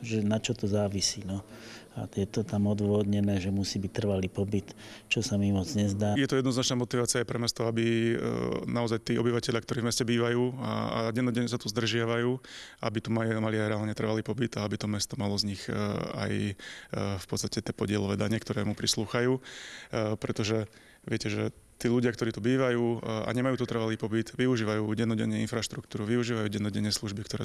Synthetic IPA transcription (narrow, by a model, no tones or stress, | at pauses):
ʒɛnat͡ʃɔt̪ɔzaːʋisiːnɔa̰jɛt̪ɔt̪amɔd̪ʊʋɔd̪ɲɛnɛːʒɛmusiːbic̚t̪r̩ʋaliːpɔbit̪t͡ʃɔsamimɔd͡zɲɛzd̪aːjɛt̪ɔjɛd̪nɔznat͡ʃnaːmɔt̪iʋaːt͡sɪajpɾɛmɛst̪ɔɔabi | naɔzajt̪iːɔbiʋacɛʎjakt̪ɔɾiːvmɛscɛbiːʋajuːa̰ɟɛnɔɟɛɲːɛsat̪uzd̪r̩ʒɪaʋajuːʔa̰bit̪umamaliajɾɛaːlɲɛt̪r̩ʋaliːpɔbit̪aabit̪ɔmɛst̪ɔmalɔzɲixa̰j | fpɔt̪st̪acɛt̪ɛpɔɟɪɛlɔʋɛːd̪aɲɛkt̪ɔɾɛːmupɾisluːxajuː | pɾɛt̪ɔʒɛ | ʋɪɛcɛʒɛt̪iːʎuɟɪakt̪ɔɾiːt̪ubiːʋajuːa̰ɲɛmajuːt̪ɔt̪r̩ʋaliːpɔbid̪ʋiuʒiːʋajuːɟɛnɔɟɛɲːɛinfɾaʃt̪ɾukt̪uːɾuʋiuʒiːʋajuːɟɛnɔɟɛɲːɛsluʒbikt̪ɔɾɛ̰